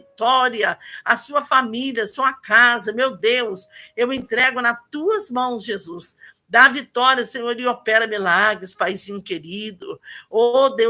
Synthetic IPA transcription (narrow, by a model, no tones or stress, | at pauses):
t̪ɔɾiɐɐsuɐfamiliɐsuɐkazɐmewd̪ewsewẽnt̪ɾɛɡʊnɐt̪uɐzmɐ̃w̃sʒezus | d̪avit̪ɔɾiɐsẽɲoɾiopɛɾɐmilaɡɾɪspajzĩɲʊkeɾid̪ʊod̪e